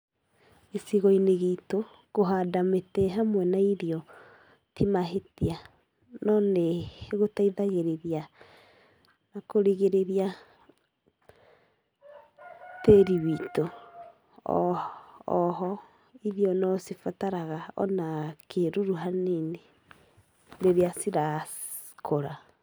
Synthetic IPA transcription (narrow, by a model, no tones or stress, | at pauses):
esiɣɔineɣito | ɣoɦadametɛɦamwɛnaiɾiɔ | tʰimaɦetia | nɔneɣotaiðaɣeɾeɾia | nakoɾiɣeɾeɾia | teɾiβito̰ | ɔɦɔ | iðjɔnɔsifataɾaɣaɔ̰nakʰeɾuɾuɦanene | ɾeɾeasiɾa | kʰoɾa